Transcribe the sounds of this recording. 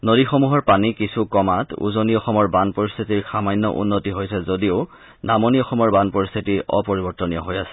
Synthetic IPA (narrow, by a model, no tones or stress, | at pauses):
nodixomuɦɔɹpanikisʰukɔmatṵzoniɔxɔmɔɹbanpoɹist̪ʰitiɹxamajnːɔ̰ʔṵnːotiɦojsʰɛzodio | namoniɔxɔmɔɹbanpoɹist̪ʰitiɔ̰poɹibɔɹtɔnijɔɦojasɛ̥